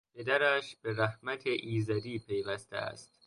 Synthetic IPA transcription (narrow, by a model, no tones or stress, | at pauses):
pʰe̞d̪æɾæʃb̥e̞ɾæhmæt̪ʰeʔiːzæd̪iːpʰe̞jvæst̪ʰḛæ̰st̪